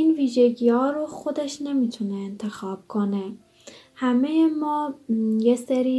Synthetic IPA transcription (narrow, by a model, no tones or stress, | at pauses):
iːnviːʒeɡiːhɒːɾoxo̞d̪eʃne̞miːt̪ʰuneːnt̪ʰe̞xɒːb̥̚kʰone | hæmejemɒːjeseɾiː